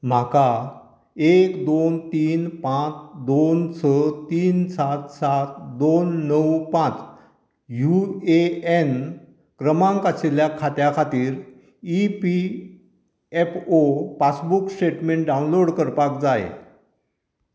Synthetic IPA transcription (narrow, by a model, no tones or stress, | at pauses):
m̤aka | ekd̪ont̪iːnpãt͡sd̪ont͡sʰət̪iːnsat̪sat̪d̪onːəwpãt͡s | jueen | kɾəmãŋkaseljakʰat̪jakʰat̪iːɾ | ipi | epopasbuksʈeʈmẽɳʈɖaunloɽkəɾpakd͡zajḛ